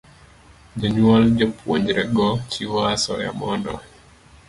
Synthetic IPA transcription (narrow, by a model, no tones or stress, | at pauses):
d͡ʒaɲuald͡ʒɔpwɔɲd͡ʒɾɛɡɔt͡ʃiwasɔ̰ja̰mɔndɔ̰